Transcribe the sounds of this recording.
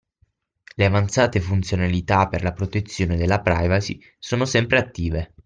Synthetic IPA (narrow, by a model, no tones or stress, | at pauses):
leavant̪saːt̪efunt̪sjonalit̪apːerlapɾot̪et̪sːjoːned̪elːapɾa̰jvasi | soːnosɛmpɾeat̪ːiːve